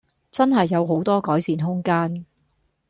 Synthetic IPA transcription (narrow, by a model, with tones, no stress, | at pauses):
t͡sɐ˥nɦɐ˨jːɐ˨˧wɦo˨˥wt̪ɔː˥kɔː˨˥jsiː˨˩nɦʊ˥ŋkaː˥n